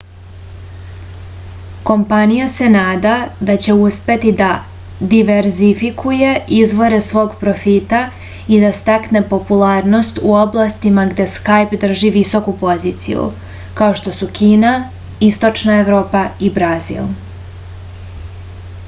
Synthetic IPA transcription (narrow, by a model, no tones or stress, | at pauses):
ko̞mpanijase̞naːd̪ad̪at͡ɕe̞uspe̞t̪id̪a | d̪iʋeɾzifikʰuje̞ʔizʋo̞ɾe̞sʋo̞ːɡpɾo̞fit̪a | id̪ast̪akne̞po̞pulˠaːɾno̞st̪uo̞blˠast̪imaɡd̪e̞skajpd̪r̩ʒiʋiso̞kupo̞zit̪sḭjṵ | kao̞ʃt̪o̞sukiːna | ist̪o̞t͡ʃnae̞ʋɾo̞ːpaibɾazḭl